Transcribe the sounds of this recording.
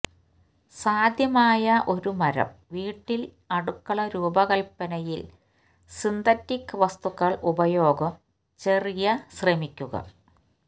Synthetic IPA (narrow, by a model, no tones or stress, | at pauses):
saːd̪ʱjɐmaːjɐʔo̞ɾumɐɾɐ̰mʋiːʈːil | ɐɽukːɐɭɐɾuːbɐɣɐlpːɐnɐjil | sind̪ɐtːikːʋɐst̪ukːɐɭʔubɐjo̞ːɡɐm | t͡ɕe̞rijɐsremikʲːuɣɐ̰